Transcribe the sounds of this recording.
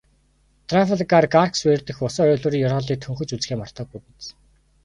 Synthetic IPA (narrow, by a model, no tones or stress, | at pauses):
t̪ʰrafəɮɡarɡarksweːrt̪ɘ̆xʊsɔːœːɮoːɾiːŋjɔrɔːɮiːk̚t̪ʰɵŋxɵ̆t͡ɕut͡sxeːmar̥t̪ɔːɡupɘ̆nt͡s